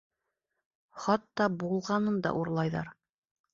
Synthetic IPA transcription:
χɑt̪ːɑbulˠʁɑnɤnd̪ɑ̰ʔuɾlˠɑjðɑ̰ɾ

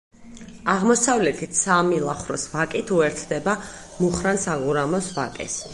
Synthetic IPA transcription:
aʁmɔsavlɛt̪ʰit̪samilˠaχɾɔsvakʼit̪ʰuɛɾt̪ʰd̪ɛba | muχɾansaʁuɾamɔsvakʼɛ̰s

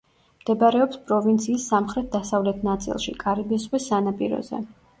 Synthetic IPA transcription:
md̪̥ɛbaɾɛɔpspʼɾɔvint̪sʰiːsːamχɾɛt̪̚d̪asavlɛt̪ʰnat̪sʼḭlˠʃḭkʼaɾibɛsʁwɛsanapʼiɾɔ̰zɛ̰

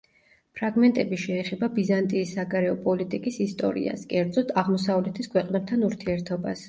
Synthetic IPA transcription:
pʰɾaɡmɛnt̪ʼɛbiʃɛːχɛbabizant̪ʼiːsːaɡaɾɛɔpʼɔlit̪ʼikʼisist̪ʼɔ̰ɾḭa̰skʼɛɾd̪zɔt̪ʰaʁmɔsavlɛt̪ʰiskʰwɛqʼnɛp̚t̪ʰanuɾt̪ʰiɛɾt̪ʰɔbas

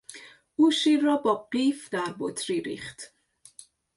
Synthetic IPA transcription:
ʔuːʃiːɾːɒːbɒːɢiːfd̪æɾbot̪ʰɾiːɾḭːχt̪

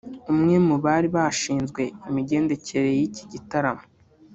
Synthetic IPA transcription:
umŋe̞muβaːɾiβaʃiːnzɡwe̞imiɟe̞ːnde̞ce̞ɾe̞jici̥ɟitaɾamo

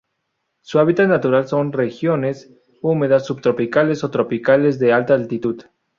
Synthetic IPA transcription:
suaβit̪at̪nat̪uɾalso̞nre̞xjo̞nes | ume̞ðasːuβt̪ɾo̞pikale̞so̞t̪ɾo̞pikale̞zðe̞alt̪aːlt̪it̪uð

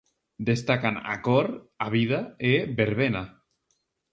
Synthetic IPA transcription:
d̪est̪akana̰koɾ | aβiðaebeɾβena

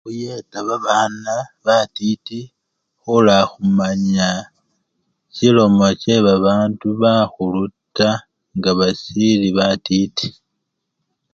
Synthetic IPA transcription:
xujetaβaβaːnaβatiti | xulaxumaɲa | cilo̞mo̞ce̞βaβaːnduβaxuluta | ŋɡaβasiliβatiti̥

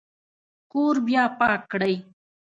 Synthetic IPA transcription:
kuːɾbjaːpaːkɽaj

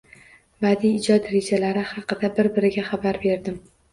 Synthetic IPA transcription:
bad̪iːd͡ʒɒd̪ɾe̞d͡ʒalaɾɪhɑqɨd̪abɪɾbɪɾɪɡʲaχabaɾbe̞ɾd̪ɪm

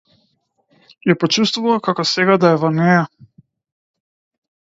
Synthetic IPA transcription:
japɔt͡ʃust̪vuvakakɔsɛɡad̪aɛvɔnɛja

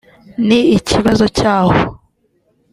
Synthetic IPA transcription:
niicʰiβazo̞caːho

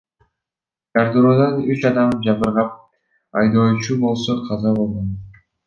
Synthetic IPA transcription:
ɡ̥aɾd̪uɾod̪ɑnyt͡ʃɑd̪ɑmd͡ʒɑbɯɾʁɑp̚ | ɑjd̪oːt͡ʃubo̞lˠsoqʰɑzɑβo̞lˠʁon

